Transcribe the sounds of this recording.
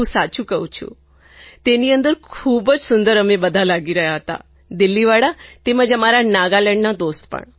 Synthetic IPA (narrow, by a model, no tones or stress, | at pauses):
ũsat͡ʃũkəɦṵ̃t͡ʃʰṵ̃ | t̪eniə̃nd̪əɾkʰuːbəd͡ʒsʊnd̪əɾəmẽbəd̪ʱalaɡiɾəɦjaɦət̪a̰ | d̪ɪlːiʋaɽat̪eməd͡ʒəmaɾanaɡalɛɳnad̪oːst̪pə̰ɳ